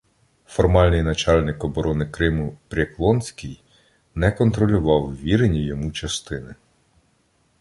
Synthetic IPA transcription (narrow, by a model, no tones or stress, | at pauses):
fɔrmɑlʲnɪjnɐt͡ʃɑlʲnɪkɔbɔɾɔnɪkɾɪmʊpɾʲɐklˠɔnsʲkʲij | nɛkɔnt̪ɾɔlʲʊʋɑwʋʲiɾenʲijɔmut͡ʃɐst̪ɪnɪ